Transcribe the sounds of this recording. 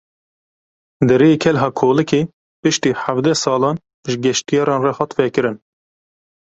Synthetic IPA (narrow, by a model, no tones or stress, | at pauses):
d̪ɨɾekʰɛlɦɑːkʰoːlɨkeː | pɨʃt̪iːħavd̪ɛsɑːlɑːn | ʒɨɡɛʃt̪ijɑːɾɑːnrɑhɑt̪vɛkɨɾɨn